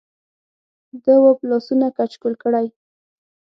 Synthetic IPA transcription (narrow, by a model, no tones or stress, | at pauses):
d̪əwoplɔsunakat͡ʃkolkəɽaj